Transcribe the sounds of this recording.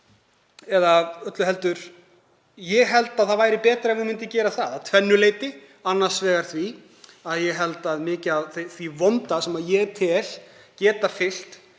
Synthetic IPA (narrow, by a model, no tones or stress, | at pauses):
ɛðaœt̪lʏɦɛl̪t̪ʏɾ̥ | jɛɣɦɛlt̪aðθaðvaːjɾɪpɛːt̪ɾaɛnvɪmɪnt̪ɪcɛːɾaθaðat̪ʰvɛnːʏleːjt̪ɪ | anːḁsvɛːɣaɾ̥θvi | aðjɛɦɛlt̪aðmɪːcɪaðθθvivɔmt̪asɛmaðjɛt̪ʰɪl̥cɛːt̪afɪl̥t̪